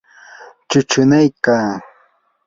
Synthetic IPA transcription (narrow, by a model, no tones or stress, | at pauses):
t͡ʃʊt͡ʃʊnajkaː